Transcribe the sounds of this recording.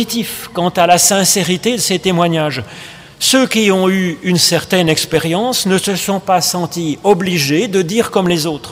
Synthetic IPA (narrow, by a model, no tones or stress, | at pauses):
it̪ifkɑ̃t̪alasɛ̃seʁit̪ed̪əset̪emwaɲaːʒ | søkʲiɔ̃yynsɛʁt̪ɛnɛkspeʁjɑ̃snəsəsɔ̃pasɑ̃t̪iɔbliʒed̪əd̪iʁkɔmlezoːt̪χ